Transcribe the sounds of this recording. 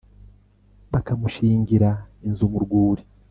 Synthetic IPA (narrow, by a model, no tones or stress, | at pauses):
βakamuʃiːŋɡiɾainzumuɾɡuːɾi